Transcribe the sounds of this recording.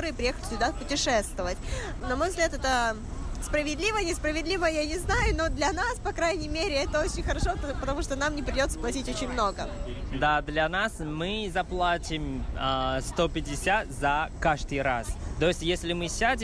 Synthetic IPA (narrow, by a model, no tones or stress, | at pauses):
oɾɨɨpɾʲɪjexəlʲɪ̥sʲʊd̪apʊtʲɪʂɛst̪vəvətʲ | nɐmo̞jvzɡlʲat̪ɛt̪ə | spɾəvʲɪd̪lʲivənʲɪspɾəvʲɪd̪lʲivəjanʲɪznajʊno̞d̪lʲɐnaspɐkɾajnʲɪmʲeɾʲɪɛt̪əot͡ɕɪnʲxəɾɐʂopət̪ɐmuʂt̪onamnʲɪpɾʲɪdʲo̞t̪sə̥plˠɐtʲitʲo̞t͡ɕɪnʲmno̞ɡəd̪ad̪lʲɐnasmɨzɐplˠatʲɪm | st̪opʲɪdʲɪsʲat̪zɐkaʐd̪ɨjɾast̪o̞ɪsʲtʲjesʲlʲɪmɨsʲadʲɪ